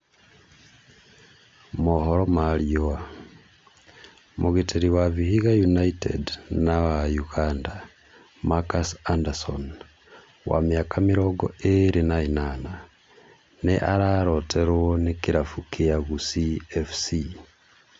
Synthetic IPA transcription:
mohoɾomalioa | mʔuɣitʰiɾiwaβihiɣajunaitḛdnawajuɣaːnda | makasandaso̰n | wa̰miakʰamiɾoɡo̰eɾinainana | neʔaɾaɾotʰeɾwonikiɾafukiaɣusiefsi

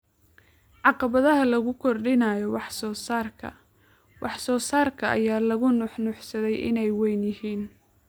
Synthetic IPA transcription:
ʕɑqɑβɐðɐɦɐlɐɣʊkʰɔrɖɪnaːjɔwɑħsɔːsaːrkʰɐ̰ | wʔɑħsɔːsaːrkʰɐʔɐ̰jaːlɐɣʊnʊħnʊħsɐðɛjʔɪ̰nɛjwɛjnjɪhiːn

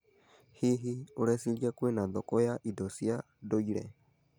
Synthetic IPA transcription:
hiɦiuɾɛsiɺjakwɛnaðɔkɔjaʔidɔsia | doiɺɛ̰

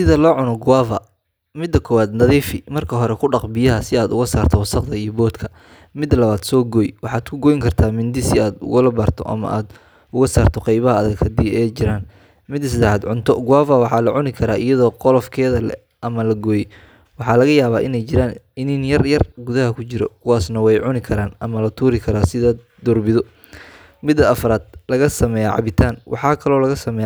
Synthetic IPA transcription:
sɪðɐlɔːʕʊnɔɡʊwaːvɐ̰ | mɪd̪ːɐkʰɔːwaːd̪nɐðiːfɪmɐrkʰɐɦɔɾɛkʰʊɖɑqbɪjɐɦɐsɪaːd̪ʊɣɐsaːrt̪ʰɔwɐsɑqd̪ɐijɔbɔːd̪kʰɐ̥ | mɪd̪lɐβaːd̪sɔːɡɔːjwɑħɑːd̪kʰʊɡɔːjŋkʰɐrt̪ʰaːmɪnd̪ɪsɪaːd̪ʊ̰ɣʊlɐbɐːrt̪ʰɔ̰ʔɐ̰mɐ̰ʔa̰ːd̪ | ʊɣɐsaːrt̪ʰɔqɑjβɐɦɐːðɐɡhɐd̪iːɛjt͡ʃɪɾaːn | mɪd̪ɐs̬ɪd̪ɛħaːd̪ʕʊnt̪ʰɔɡʊwaːfaːwɑħɑːlɐʕʊnɪkʰɐɾaːʔɪjɐðɔːqɔlɔfkʰɛːðɐlɛ̰ | ʔɐmɐlɐɡɔːjɛ | wɑħɑːlɐɣɐjaːβaːʔɪnɛjt͡ʃɪɾaːn | ɪnɪnjɐrjɐrɡʊðɐɦɐkʰʊt͡ʃɪɾɔ̰kʰʊwaːsnɐwɛjʕʊnɪkʰɐɾaːnʔɐmɐlɐt̪ʰuːɾɪkʰɐɾaːsɪðɐ | d̪̥ʊrbɪðɔ | mɪd̪ːɐːfɐɾaːd̪̥lɐɣɐsɐmɛːjaʕɑ̰βɪt̪ʰaːnwʔɑ̰ħɑːkʰɐlɔːlɐɣɐsɐmɛː

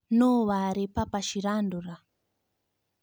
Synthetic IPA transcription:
nɔwaɾipapaʃiɾanduɾa

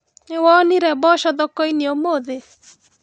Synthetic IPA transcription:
ewɔniɾɛbɔʃɔðɔkɔiniomoðe

